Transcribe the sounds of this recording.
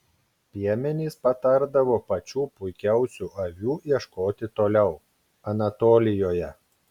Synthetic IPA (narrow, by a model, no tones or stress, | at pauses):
pʲiɛmʲɛnʲiːspɐt̪ɐɾd̪ɐʋoːpɐt͡ʃʲuːpʊɪkʲɛˑʊsʲuːʔɐʋʲuːiɛʃkoːt̪ʲɪt̪oːlʲɛʊ | ɐnɐt̪oːlʲɪjoːjɛ